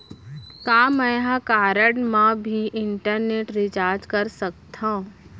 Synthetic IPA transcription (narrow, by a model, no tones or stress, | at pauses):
kaːmɛ̃ɦãkaːɾəɽmãbʱiʔɪɳʈəɾneːʈɾɪt͡ʃaːɾd͡ʒkəɾsək̚t̪ʰã